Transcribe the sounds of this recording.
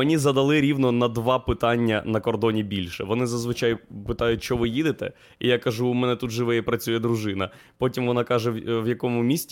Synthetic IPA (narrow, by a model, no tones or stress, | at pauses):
menʲizɐd̪ɐlˠɪɾʲiwnɔnɐd̪ʋɑpɪt̪ɑnʲːɐnɐkɔrd̪ɔnʲibʲilʲʃɛʋɔnɪzɐzʋɪt͡ʃɑjpɪt̪ɑjʊtʲʃt͡ʃɔʋɪjid̪ɪt̪ɛ̰ | ijakɐʒuːmɛnɛt̪ut̪ʒɪʋɪjɛpɾɐt͡sʲujɛd̪ɾʊʒɪnɐ | pɔtʲimʋɔnɑkɑʒɛʋjɐkɔmʊmʲisʲtʲ